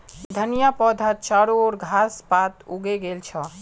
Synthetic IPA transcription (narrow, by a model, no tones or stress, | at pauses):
d̪ʱənijapɔd̪ʱət͡ʃaɽoɾɡʱaspat̪uɡeɡelt͡ʃʰɔ